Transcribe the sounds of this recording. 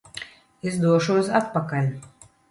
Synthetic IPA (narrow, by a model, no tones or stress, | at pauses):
izd̪uɔʃumsat̪̚pakalʲ